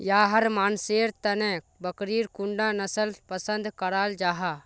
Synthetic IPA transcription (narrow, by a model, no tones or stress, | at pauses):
jaːɦɐɾmaːnseːɾt̪ɐnẽ | bəkɾiːɾkuɳɖãnəsəlpəsə̃nd̪kəɾaːld͡ʒaːɦaː